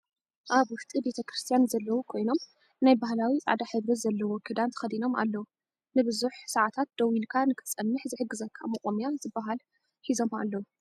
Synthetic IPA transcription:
ʔaβwʊʃt̪ʼibe̞t̪ʰɐkɾɨst̪ʰijanzɐlːɐwukʰo̞jno̞m | najbahlawiʔʼa̰d̪aħɨβɾɐzɐlːɐwokʰɨd̪ant̪ʰɐ̥xɐd̪ino̞ma̰lːɐwu | nɨbɨzuħsɐʕat̪ʰat̪̚d̪̥ɐwilkʰanɨkʰɨ̥t͡sʼɐmːɨħzɨħɨɡːɨzɐkʰːa̰mɐχʼomijanzɨbːaɦal | ħizo̞ma̰lːɐwu

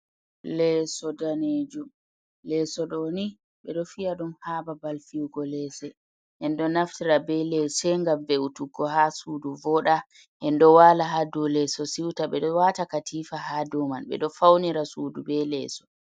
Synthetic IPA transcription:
lɛsɔdaneːd͡ʒu | lɛsɔɗɔni | ɓɛɗɔfiaɗumhababalfiwɡɔlɛsɛ | ʔɛndɔnaftiɾabɛlɛsɛŋɡamvɛutuɡɔhasuduvɔɗa | ʔɛndɔwalaɦadɔlɛsɔsiwtaɓɛɗɔwatakatʰiːfahadɔmanɓɛ̰ɗɔfawniɾasuːdubɛlɛsɔ̥

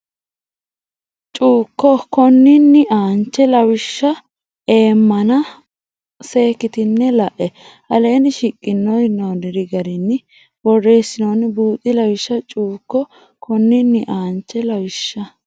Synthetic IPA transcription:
t͡ʃʼuːkːɔkɔnːɪnːɪʔaːnt͡ʃːɛlɐwɪʃːɐ | e̞ːmːɐnɐ | se̞ːkːɪt̪ɪnːɛlɐʔɛ | ʔɐleːnɪʃɪkʼːɪnːɔjnoːnɪɾɪɡɐɾɪnːɪ | bɔrːe̞ːsːɪnonbuːt̪ʼːɪlɐwɪʃːɐt͡ʃʼuːkːɔ | kɔnːɪnːɪʔaːnt͡ʃːɛlɐwɪʃːɐ

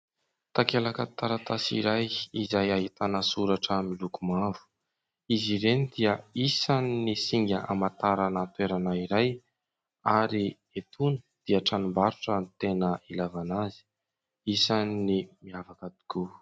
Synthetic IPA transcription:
t̪akelakət̪aɾat̪asḭɾajizajaɦit̪anəsuɾaʈ͡ʂəmilukumavu̥ | iziɾenid̪iəisaninisiŋɡʲəʔamat̪aɾanat̪weɾanaiɾaj | aɾi | et̪ʰunə̥d̪̥iəʈ͡ʂanumbaɾuʈ͡ʂənt̪enəilavanazi̥ | isaninimiavakad̪i̥ku

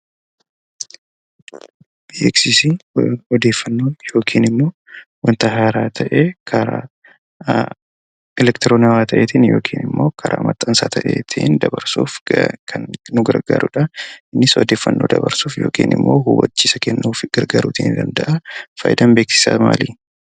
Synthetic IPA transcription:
b̥iɛksɪsiɔd̪e̞ːfːɐnːo̞ːnjo̞ːkʰiːnɪmːo̞ː | wɐnt̪ɐɦaːɾaːt̪ʰɐʔekʰɐɾa̰ː | ɛlɛkt̪ɪɾoːnɐwaːt̪ɐʔeːt̪ɪnjo̞ːkʰiːnɪmːo̞ːkʰɐɾʔa̰ːmɐt̪ʼːɐnsa̰ːt̪ʰɐʔḛːt̪ʰɪnd̪ɐbɐɾsuːfkʰɐnnʊɡɐ̰ɾɡa̰ːɾʊᶑɐɪnːɪsɔd̪e̞ːfːɐnːoːd̪ɐbɐɾsuːfjo̞̰ːkḭːnɪ̰mːo̞̰ːhuwɐ̰t͡ʃːiːsɐkɛnːuːfɡ̥ɐɾɡaɾuːt̪ɪɪnd̪ɐnd̪ɐʔɐfɐ̰jd̪ɐmbe̞ːksɪ̥sa̰ma̰ːliː

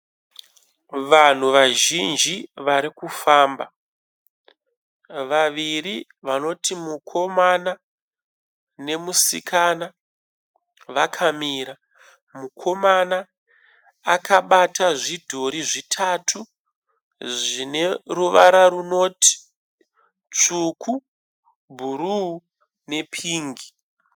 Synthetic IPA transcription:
ʋan̤uʋaʒind͡ʒiʋaɾikufaːmba | ʋaʋiri | ʋano̞timukʰo̞mana | ne̞musikʰana | ʋakʰamiːɾa | mukʰo̞manaː | kʰaɓatʰaʐidʱo̞ɾiʐitʰatʰu | ʐine̞ruʋaɾaɾuno̞ːti̥ | t͡ʂukʰu | bʱuɾuu | ne̞pʰiːŋɡi

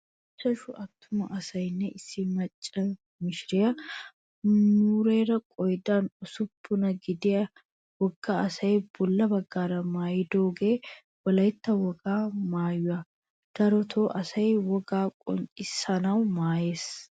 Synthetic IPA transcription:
ɪt͡ʃʼːɐʃʊʔɐt̪ːʊmɐ̰ʔɐsɐjnːɛʔɪsːɪmɐt͡ʃʼːɐ | mɪʃɪɾɪjɐ | nuːɾe̞ːɾɐkʼɔjd̪aːnʊsʊpːʊnɐɡɪd̪ɪjɐ | wɔɡːaːɐsɐjb̥ʊlːɐbɐɡːaːɾɐmaːjɪd̪oːɡe̞ː | wɐlɐjɪt̪ːɐwɔɡaːmaːjːʊɐ | d̪̥ɐɾɔt̪ʰoːʔɐsɐjwɔɡaːkʼɔ̰nt͡ʃʼɪsːɐnɐwmaːjeːs

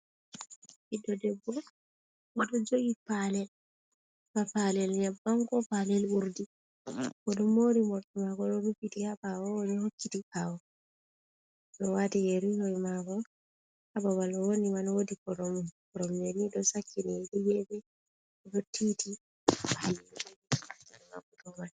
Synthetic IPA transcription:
idɔdɛbɔ | ɔdɔd͡ʒoɡipalɛl | bapalɛlɲabaŋkɔpalɛluɾdi | kɔɗɔmoɾimɔɾtɔmaɡɔɗɔɾupitihabawɔnɔhokːitipawɔ | nɔwatijeɾihojmaɡɔ | habawalɔwonimanɔwodikɔɾɔmukɔɾɔmjenidɔsakːinidijɛbɛ | ɔdɔtːiti | pʰalɛisakːinma̰kutuman

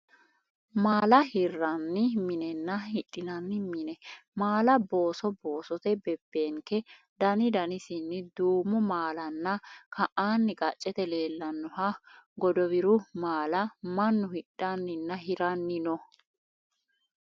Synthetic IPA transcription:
maːlɐhɪrːɐnːɪmɪnɛnːɐhɪɗːɪnɐnːɪmɪnɛmaːlɐbo̞ːsɔbo̞ːsɔt̪ɛbɛbːe̞ːŋkɛ | d̪ɐnɪd̪ɐnɪsɪnːɪd̪uːmɔmaːlɐnːɐkʰɐʔaːnːɪkʼɐt͡ʃʼːɛt̪ɛle̞ːlːɐnːɔɦɐɡɔd̪ɔwɪɾʊmaːlɐmɐnːʊhɪɗːɐnːɪnːɐɦɪɾɐnːɪnɔ

